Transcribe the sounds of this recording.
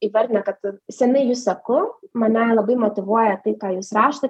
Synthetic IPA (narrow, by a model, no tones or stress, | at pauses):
iːʋɐɾʲd̪ʲɪnɐkɐt̪sʲɛnɐɪjuːssɐkʊmɐnʲɛlˠɐbɐɪmoːt̪ʲɪʋuɔjɛt̪ɐɪkɑːjuːsɾɑːʃt̪ɐ